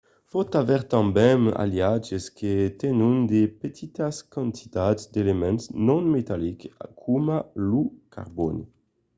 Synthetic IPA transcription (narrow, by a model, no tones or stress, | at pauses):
fɔt̪avɛʁt̪ãmbɛma̰ljad͡ʒeskʰet̪ɛnund̪epet̪ʰit̪askãnt̪ʰi̥t̪adzd̪elemɛ̃nsnɔ̃nmet̪alika̰kʰumalukʰa̰ʁbɔni